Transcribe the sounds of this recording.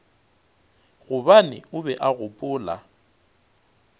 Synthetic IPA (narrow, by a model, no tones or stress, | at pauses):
ɣʊbanɪ̰ʊbɛʔaɣʊpʼʊːla̰